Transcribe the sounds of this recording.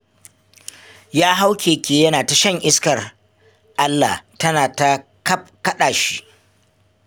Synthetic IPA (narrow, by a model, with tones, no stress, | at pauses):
jaː˦ɦa˦wkʲʰeː˨kʲeː˨jɐ˦naː˨ta˨ʃɐ˦˨ŋʔɪ˦skɐ˨r | ʔa˦lːa˨tɐ˦naː˨ta˦ | kɐ˦kɐ˦ɗaː˨ʃi˦ʔ